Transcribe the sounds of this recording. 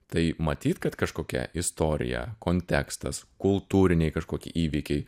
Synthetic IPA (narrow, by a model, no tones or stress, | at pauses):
t̪ɐɪmɐt̪ʲiːt̪kɐt̪kɐʃkoːkʲɛ̰ɪst̪oːɾʲɪ̰jɛ̰koːnʲt̪ʲæːkst̪ɐskʊlˠt̪uːɾʲɪnʲɛɪkɐʃkoːkʲḭʔiːʋʲiːkʲɛɪ